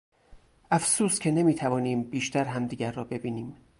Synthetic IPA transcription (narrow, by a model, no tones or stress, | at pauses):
ʔæfsuːst̪cʰe̞ne̞miːt̪ʰævɒːniːmbiːʃt̪ʰæɾɦæmd̪iːɟʲæɾːɒːbe̞biːniːm